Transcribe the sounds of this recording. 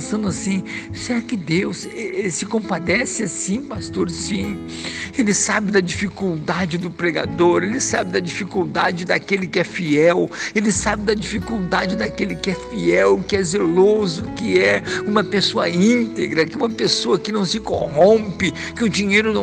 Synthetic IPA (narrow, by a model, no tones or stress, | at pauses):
sɐ̃nd̪ʊasĩseɾakɪd̪ewssɪkõmpad̪ɛsɪasĩpast̪oɾsĩ | elɪsabɪd̪ɐd͡ʒifikuwd̪ad͡ʒɪd̪ʊpɾeɡa̰d̪oɾelɪsabɪd̪ɐd͡ʒifikuwd̪ad͡ʒɪd̪akelɪkɪɛfiɛwelɪsabɪd̪ɐd͡ʒifikuwd̪ad͡ʒɪd̪akelɪkɪɛfiɛwkɪɛzelozʊkɪɛũmɐpesoɐ̰ĩnt̪eɡɾɐkɪũmɐpesoɐkɪnɐ̃w̃sɪkohõmpɪ | kɪʊd͡ʒiɲejɾʊnɐ̃